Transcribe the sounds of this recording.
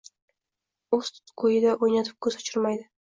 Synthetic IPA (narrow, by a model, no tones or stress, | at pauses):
ɵst̪qʰojɪd̪aʔojnat̪ʰɪ̥p̚kʰɵzat͡ʃʰɪɾmajd̪ɪ